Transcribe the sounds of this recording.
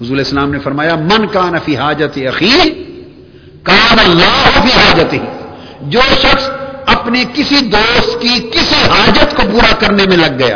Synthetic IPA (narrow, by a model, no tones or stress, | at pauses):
ɦʊzuːɾleːɪslaːmnefɐɾmaːjamɐnkaːnɐfiːɦaːd͡ʒɐt̪ɐxiː | kaːnɐlːaːɦfiːɦaːd͡ʒət̪ɦi | d͡ʒoːʃɐxsɐpnekɪsid̪oːst̪kikɪsiɦaːd͡ʒət̪kopuːɾakɐɾnemẽlɐɡːɐja̰ː